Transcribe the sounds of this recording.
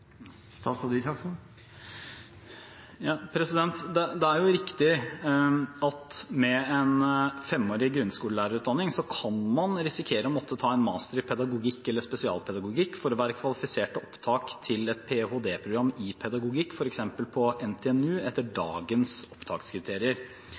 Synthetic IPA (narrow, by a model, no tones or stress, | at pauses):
t̪ɑsɔd̪isɑks | jɑːpʰɾɛsɪd̪ɛnt̪d̪ɛd̪ɛæɾjʊɾɪkt̪ɪ | ɑt̪mɛɛnfɛmːoːɾɪɡɾʉnskuːləlæːɾəɾʉːt̪d̪ɑnːɪŋsɔkʰɑnmɑnɾɪsɪkʰeːɾəɔmɔt̪ːət̪ʰɑːɛnmɑ̰ːst̪əɾpʰɛd̪ɑɡʊɡɪkːɛlːəspɛsɪɑ̰ːlpʰɛd̪ɑɡʊɡɪkːfɔɾɔʋæːɾəkʰʋɑlɪfɪseːʈəɔpt̪ʰɑːkt̪ʰɪlɛt̪pʰehoːd̪eːpʰɾʊɡɾɑmːɪpʰɛd̪ɑɡʊɡɪkːfɔɾɛksɛmpəlpʰɔɛnt̪ʰɛɛnʉːɛt̪ːəɖɑ̰ːɡənsɔ̥pːt̪ʰɑ̰ːkskʰɾɪt̪ʰeːɾɪəɾ